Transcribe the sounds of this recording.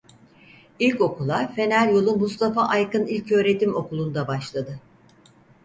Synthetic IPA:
ilʲco̞kulˠafe̞nælʲjo̞lˠumust̪ʰafaʔajkɯnilʲcø̞ːɾe̞t̪ʰimo̞kulˠund̪abaʃlˠad̪ɯ

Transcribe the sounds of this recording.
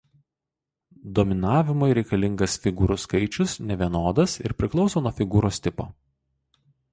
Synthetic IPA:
d̪oːmʲɪnɑːʋʲɪmoɪɾʲɛɪkɐlʲɪŋɡɐsfʲɪɡuːɾʊskɐɪt͡ʃʲʊsnʲɛʋʲiɛnoːd̪ɐsɪ̰ɾpʲɾʲɪklˠɒʊsoːnuɔfʲɪɡuːɾoːsʲt̪ʲɪpo̰ː

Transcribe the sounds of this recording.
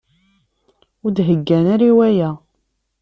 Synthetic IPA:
ʊɾd̪ɦəɡːænæɾiwæjæ

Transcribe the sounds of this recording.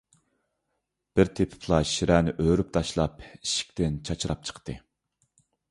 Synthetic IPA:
b̥ɪɾt̪ʰepʰɪ̥pʰlˠɑʃiɾʔɛːnɪʔøːɾyp̚t̪ʰɑʃlˠɑpiʃi̥kʲt̪ɪnt͡ʃʰɑt͡ʃʰiɾɑp̚t͡ʃʰə̥qt̪ɨ

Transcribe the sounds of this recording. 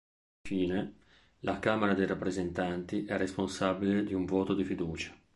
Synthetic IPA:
ɱfiːne | lʔakaːmeɾad̪ejɾapːɾezent̪ant̪iʔɛrːesponsabiled̪iuɱvoːt̪od̪ifid̪uːt͡ʃḁ

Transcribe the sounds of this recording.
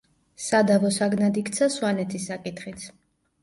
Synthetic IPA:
sad̪avɔsaɡnad̪ikʰt̪sʰaswanɛt̪ʰisːakʼit̪χit̪sʰ

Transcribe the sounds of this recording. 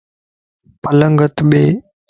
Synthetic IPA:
pələŋɡət̪ɓeː

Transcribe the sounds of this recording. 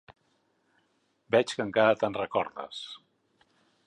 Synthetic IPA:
bɛt͡ʃkəŋkaɾət̪anrəkɔɾðə̰s

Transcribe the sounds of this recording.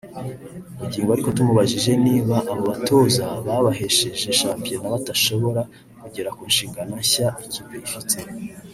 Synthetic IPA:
umuɟiːŋɡoaɾiko̞tumuβaʒiʒe̞niːβaʔːβo̞βatʰo̞zaβaβaɦe̞ʃe̞ʒe̞ʃaːmpijenaβataʃo̞βo̞ɾa | kuɟe̞ɾakuːnʃiːŋɡanaçaicibeifitʰe

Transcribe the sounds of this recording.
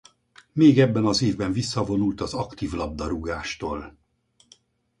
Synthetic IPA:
meːɡɛbːɛnɒzeːvbɛɱvisːɒvo̞nult̪ɒzɒkt̪iːvlɒb̚d̪ɒɾuɡaːʃt̪oːl

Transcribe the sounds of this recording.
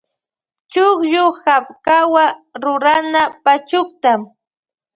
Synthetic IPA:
t͡ʃʊχjohap̚kawaɾʊɾanapat͡ʃʊk̚t̪am

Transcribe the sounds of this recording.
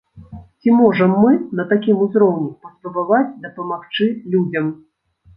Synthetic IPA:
t͡sʲimɔʐɐmːɨnɐt̪akʲimuzɾɔwnʲɛpɐst̪upavat͡sʲd̪ɐpɐmaxt͡ʂɨlʲud͡zʲɐm

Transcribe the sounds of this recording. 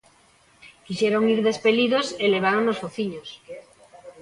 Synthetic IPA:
kiʃɛɾoŋiɾðespeliðoseleβ̞aɾoŋnosfoθiɲos

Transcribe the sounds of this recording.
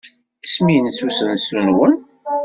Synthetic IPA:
isminsusənsunwən

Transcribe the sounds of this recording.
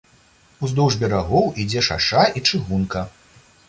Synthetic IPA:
uzd̪ɔwʐbʲɛɾaɣɔwid͡zʲɛʂa̰ʂait͡ʂɨɣunkɐ

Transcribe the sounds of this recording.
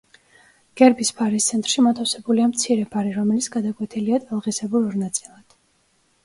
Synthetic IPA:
ɡ̥ɛɾbispʰaɾist̪sʰɛnt̪ʼɾʃimat̪ʰafsɛbuliamt̪sʰiɾɛpʰaɾiɾɔmɛlit̪sʰɡad̪akʼwɛt̪ʰiliat̪ʼalˠʁisɛbuɾɔɾnat̪sʼilˠad̪̥

